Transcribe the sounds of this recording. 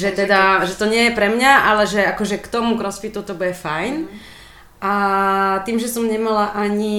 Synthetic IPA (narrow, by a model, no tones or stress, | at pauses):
ʒɛt̪ɛd̪aʒɛt̪ɔɲɪɛjɛpɾɛmɲaʔalɛʒɛakɔʒɛkt̪ɔmukɾɔspit̪ut̪ɔbujɛfajn | ʔat̪iːmʒɛsɔmɲɛmalaʔaɲi